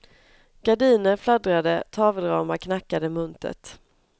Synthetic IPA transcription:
ɡ̥aɖiːnəɾflad̪ɾad̪ət̪ʰɑːvəlɾɑːmakʰnakːad̪əmɵnt̪ʰə̰t̪

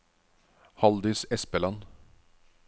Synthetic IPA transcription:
hɑld̪ʏsɛspəlɑn

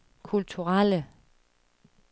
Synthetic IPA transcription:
kʰult͡sʰuʁalə

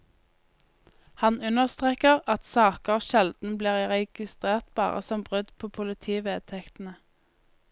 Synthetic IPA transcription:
hɑnʉnəʁst̪ʁeːkəʁɑt̪sɑːkəʃɛld̪n̩bliːʁʁɛɡ̥ɪst̪ʁeːʁt̪bɑ̰ːʁə̰sɔmbʁʉd̪pʰoːpʰʊlɪt̪ʰiːʋeːt̪ʰɛkt̪n̩ə

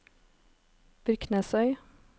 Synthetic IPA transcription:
b̥ɾʏknəsœʏ

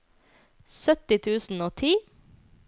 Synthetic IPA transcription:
sœt̪ɪt̪ʰʉːsn̩oːt̪ʰiː

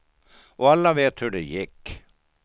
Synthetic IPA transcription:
ʔɔalːaveːt̪hɵɖɛjɪkː

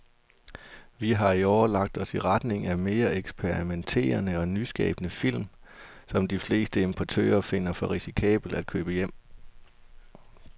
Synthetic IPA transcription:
ʋiɦɑ̈iɒʊɐlɑ̈ɡ̥̚d̥ɒ̽siʁɑd̥ne̝ŋæme̝ːɐeɡ̥sb̥ʰeʁiment͡sʰe̝̰ːɐnəɒ̽nysɡ̥ɛ̰ːb̥ənəfil̰msɒ̽md̥ifle̝ːsd̥əe̝mpʰot͡sʰø̰ːɐfe̝n̰ɐfɒ̽ʁisikʰɛ̰ːb̥l̩d̥æd̥̚kʰøːb̥əjem̰

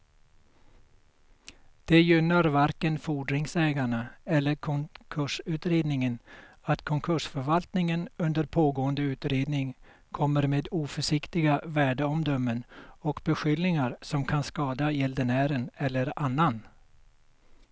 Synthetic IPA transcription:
d̪̥ɛjʏnːaɾvaɾkənfuːɖɾɪŋsɛːɡaɳaɛlːəɾkʰɔkʰɵʂʉ̟ːt̪ɾeːd̪nɪŋən | at̪kʰɔŋkʰɵʂfœɾvalt̪nɪŋənɵnd̪əɾpʰoːɡoːənd̪əʉ̟ːt̪ɾeːd̪nɪŋ | kʰɔmːəɾmeːd̪uːfœʂɪkt̪ɪɡavæːɖəɔmd̪œmːənɔkbɛɧʏlnɪŋaɾsɔmkʰanskɑːd̪ajɛld̪əɳæːɾənɛlːəɾanːan

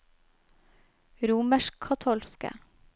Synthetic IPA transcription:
ɾuːməʃkkʰɑt̪ʰɔlskə̰

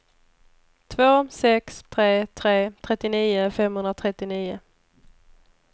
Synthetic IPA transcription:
t̪ʰvoːsɛkst̪ʰɾeːt̪ʰɾeːt̪ʰɾɛt̪ːɪniːʊfɛmhɵnɾat̪ʰɾɛt̪ːɪniːʊ

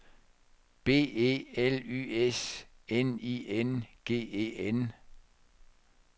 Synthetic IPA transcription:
b̥e̝̰ːe̝̰ːely̰ːeseniːʔenɡ̥e̝̰ːe̝̰ːen

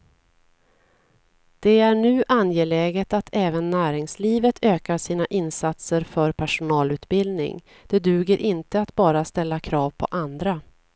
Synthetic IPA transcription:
d̪̥ɛæɳʉ̟ːʔanjeːlɛːɡət̪at̪ʰɛːvənːæːɾɪŋsliːvət̪ʰøːkaʂiːnaʔɪnsat̪səɾfœɾpʰæʂʊnɑːlʉ̟ːt̪bɪld̪nɪ̰ŋ | d̪̥ɛd̪ʉ̟ːɡəɾʔɪnt̪əat̪bɑːɾast̪ɛlːakʰɾɑːvpʰɔ̰ʔand̪ɾa

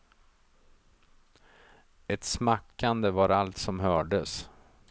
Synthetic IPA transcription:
ɛt̪smakːand̪əvaɾalt̪sɔmɦœːɖəs

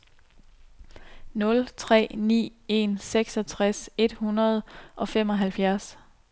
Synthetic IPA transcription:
nɔ̽lt͡sʰʁɛ̰ːnḭːe̝̰nseɡ̥sɒ̽t͡sʰʁase̝d̥hunɐð̞ˠʔɒ̽fem̰ɒ̽ɦælfjæɐs

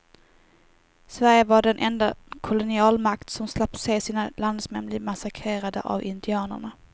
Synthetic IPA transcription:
svæɾjəvaɖɛnʔɛnd̪akʰʊlʊnɪɑːlmakt̪sɔmslapːsɛsiːnaland̪smɛnblɪmasakʰɾeːɾad̪ə̰ʔa̰vɪnd̪ɪɑːnə̰ɳa

